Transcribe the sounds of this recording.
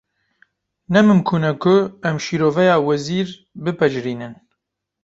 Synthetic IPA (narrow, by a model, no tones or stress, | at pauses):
nɛmɨmkʰuːnɛkʰʊɛmʃiːɾoːvɛjɑːwɛziːɾ | bɨpɛd͡ʒɾiːnɨn